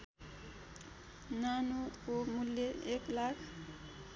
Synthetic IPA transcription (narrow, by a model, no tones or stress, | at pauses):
nanukomuljeeklakʰ